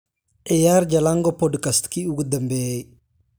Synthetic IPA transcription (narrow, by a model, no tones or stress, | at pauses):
ɛjaɾd͡ʒalaŋɡɔpɔdkastkiuɡədəmbej